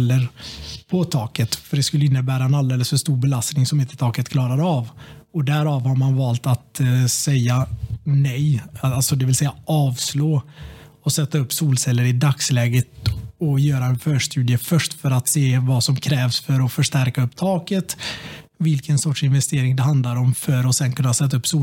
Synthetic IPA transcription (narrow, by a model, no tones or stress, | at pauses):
lːəɾpʰɔt̪ʰɑːkət̪fœɖɛskɵlːəɪnːəbæːɾaɛnald̪eːləsfœʂt̪uːɾbɛlast̪nɪŋsɔmɪnt̪ət̪ʰɑːkət̪kʰlɑːɾad̪əavɔd̪æɾɑːvhaɾmanvɑːlt̪at̪sɛjːanɛjalsɔd̪ɛvɪlsɛjːaʔɑːvsloː | ɔsɛt̪ːaɵpːsuːlsɛlːəɾɪd̪akslɛːɡət̪ɔjœːɾaɛnfœːʂʈʉ̟ːd̪jəfœʂʈfœɾat̪seːvasɔmkʰɾɛːvsfœɾɔfœʂʈæɾkaɵpːt̪ʰɑːkət̪vɪlkənsɔʈʂɪnvɛst̪eːɾɪŋd̪ɛɦand̪laɾɔmfœɾɔsɛnkʰɵnːasɛt̪ːaɵpːsuː